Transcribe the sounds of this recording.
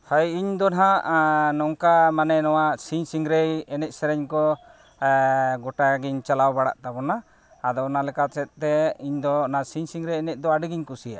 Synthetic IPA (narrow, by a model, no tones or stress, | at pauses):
hajiɲd̪ɔnaɦaʔnɔŋkamanɛnɔwaʔsiɲsiŋɾejɛnɛt̪̚sɛɾɛɲkɔ | ɡɔʈaɡiɲt͡ʃalawbaɽa̰ʔt̪abɔnaː | d̪ɔːnalɛkat̪̚t͡ʃɛt̪̚ˀt̪ɛiɲd̪ɔnasiɲsiŋɾɛjɛnɛt̪̚ˀd̪ɔaɖiɡiɲkusija̰